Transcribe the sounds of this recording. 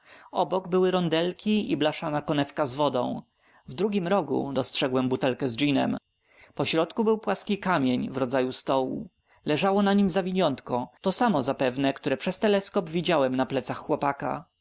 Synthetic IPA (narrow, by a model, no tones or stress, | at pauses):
ɔbɔɡbɘwɘɾɔnd̪ɛlkʲiiblaʂanakɔnɛfkazvɔd̪ɔ̰̃w̃ | vd̪ɾuɡʲimɾɔɡṵd̪ɔstʂɛɡwɛmbut̪ɛlkɛzd͡ʒinɛ̰m | pɔɕɾɔt̪kubɘwpwaskʲikamʲjeɲvɾɔd̪zajust̪ɔwṵ | lɛʐawɔnaɲimzavʲiɲɔnt̪kɔt̪ɔsamɔzapɛvnɛkt̪uɾɛpʂɛst̪ɛlɛskɔpvʲid͡ʑawɛmnaplɛt̪saxːwɔpaka̰